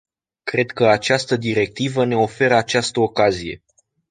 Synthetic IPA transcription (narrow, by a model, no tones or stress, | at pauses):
kɾe̞d̪kəat͡ʃast̪əd̪iɾe̞k̚t̪ivəne̞o̞fe̞ɾəat͡ʃast̪əokazije̞̰